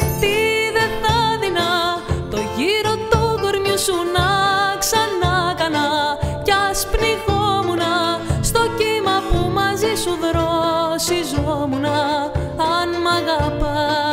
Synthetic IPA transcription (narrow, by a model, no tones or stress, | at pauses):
t̪iðeθɐðinɐt̪o̞ʝiɾo̞t̪ukoɾɲusunɐksɐnɐkɐnɐcɐspniɣomunɐst̪o̞cimɐpumɐzisuðɾosizomunɐ | ɐnmɐɣɐpɐ